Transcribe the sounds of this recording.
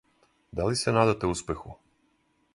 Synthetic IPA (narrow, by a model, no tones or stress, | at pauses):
d̪alisenaːd̪at̪euspexu